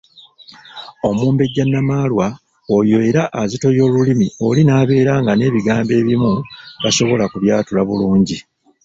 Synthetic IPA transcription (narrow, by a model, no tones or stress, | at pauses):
o̞muːmbe̞ɟːanːamaːlwa | ojoeɾaʔːzito̞jo̞ːlulimio̞linaːβe̞ːɾaːŋɡane̞ːβiɡaːmbe̞ːβimuβaso̞βo̞lakuβjaːtulaβuluːɲɟi